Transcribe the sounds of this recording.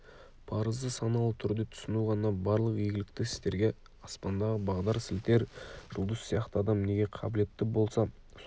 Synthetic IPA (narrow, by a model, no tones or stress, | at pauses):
pʰɑɾəzd̪əsɑnɑlˠt̪ʰʏɾd̪e̞t̪ʰʊ̥sənulˠʁɑnnɑbɑɾlˠəqjeɡʲɪlɪkt̪ɪɪ̥st̪e̞ɾɡʲe̞ | ɑspɑnd̪ɑʁəbɑʁd̪ɑɾsɪlt̪e̞ɾʒ̥ʊlˠd̪əsːijɑqt̪əɑd̪ɑmne̞ɡʲe̞qʰɑbɪle̞t̪ːɪbo̞lˠsɑ